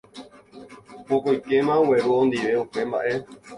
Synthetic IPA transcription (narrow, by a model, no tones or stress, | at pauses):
wokojke̞mãowe̞ɾuõnd̪iʋe̞upe̞mba̰ʔe̞